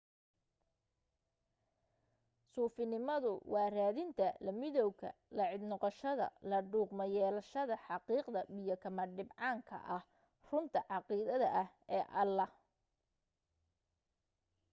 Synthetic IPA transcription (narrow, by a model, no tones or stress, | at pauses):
suːfɪnɪmɐðʊ̰wɑːraːðɪnt̪ʰɐlɐmɪðɔwkʰɐ̰lɐʕɪd̪nɔqɔʃɐðɐ̰lɐɖuːqmɐjɛːlɐʃɐðɐħɑqiːqd̪ɐbɪjɔkʰɐmɐɖɪbʕɑːŋkʰɐ̰ʔɐh | rʊnt̪ʰɐʕɑqiːðɐðɐʔɐhɛːʔɐlɐ